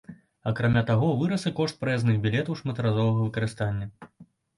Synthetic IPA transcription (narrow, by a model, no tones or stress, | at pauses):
ɐkɾamʲat̪aɣɔvɨɾɐsɐkɔʂt̪̚pɾɛznɨɣbʲilʲɛt̪ɐwʂmɐt̪ɐɾazɔvɐɣɐvɨkɐɾɨst̪anʲːɐ